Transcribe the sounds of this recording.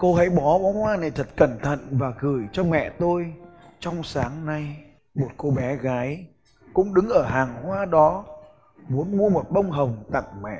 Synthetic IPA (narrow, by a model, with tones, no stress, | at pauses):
ko˧ɦə̰˧˥jɓɔ˨˦ɓɔ˨˦hwaː˧na˨˩t̪ʰə˨˩t̚kə˧˩nt̪ʰə̰˧˨nvaː˨˩ɣɨ˧˩əjt͡ɕɔ˧mɛ̰˧˨t̪o˧j | t͡ɕɔ˧wŋ͡msaː˨˦ŋna˧j | mo˨˩t̚ko˧ɓɛ˨˦ɣaː˨˦j | kʊ̰˧˥ŋ͡mɗɨ˨˦ŋʔəː˧˩ɦaː˨˩ŋhwaː˧ɗɔ˨˦ | mu˨˦ənmu˧əmo˨˩t̚ɓə˧wŋ͡mɦə˨˩wŋ͡mt̪a̰˧˨ŋmɛ̰˧˨ʔ